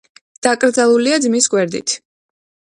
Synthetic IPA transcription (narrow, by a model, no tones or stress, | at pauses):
d̪̥akʼɾd̪zalˠuliad̪zmisɡwɛɾd̪ḭt̪ʰ